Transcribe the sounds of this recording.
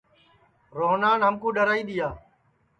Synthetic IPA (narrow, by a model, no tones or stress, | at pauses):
ɾoːnaːnɦəmkũːɗəɾaːiːɗ̪ɪjaː